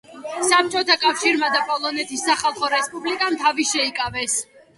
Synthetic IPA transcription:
sap̚t͡ʃʼɔt̪ʰakʼafʃiɾmad̪apʼɔlˠɔnɛt̪ʰisːaχalˠχɔɾɛspʼublikʼamt̪ʰaviʃɛikʼavɛs

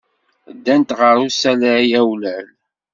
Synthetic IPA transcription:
d̪ːænt̪ʁəɾusæləiæwlæl

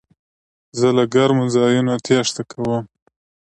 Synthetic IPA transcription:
zəlaɡaɾmʊzɑjunot̪ʰjɑʂt̪akʰawəm

